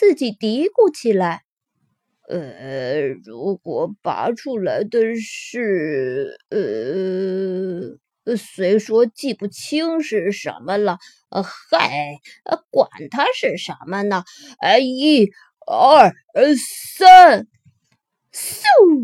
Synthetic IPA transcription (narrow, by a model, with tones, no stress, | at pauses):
t͡sɹ̩˥˩t͡ɕi˨˩t̪i˧˥ku˥˩t͡ɕʰi˨˩la˧˥ɪ | ə˧˩ɻu˧˥kwɔ˨˩pa̰˧˥ʈ͡ʂʰu˥la˧˥ɪd̪ə˧ʂɻ̩˥˩ | ə˧˩˧ | swe˧˥ɪʂwɔ˥t͡ɕi˥˧pu˥˩t͡ɕʰi˥ŋʂɻ̩˥˩ʂə̰˧˥nmə˧lə˨˧ | xa˥˩ɪ̰˧kwa̰˨˩nt̪ʰa˥ʂɻ̩˥˩ʂə˧˥nmə˧nə˨˩ | a˥˩ɪi˥˩ | ə˥˩ | sa˥ | s